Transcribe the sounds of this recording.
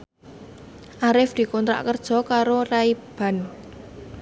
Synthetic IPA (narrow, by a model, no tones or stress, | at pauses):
ʔaɾɪfd̪̥i̤kɔnt̪ɾa̰ʔkərd̥ʒ̥ɔ̤kaɾoraib̥a̤n